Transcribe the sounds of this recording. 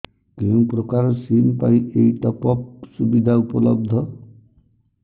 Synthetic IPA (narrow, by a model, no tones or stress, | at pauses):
keũpɾɔkaɾɔsinpaĩejʈɔpɔp̚subid̪ʱaupɔlɔb̚d̪ʱɔ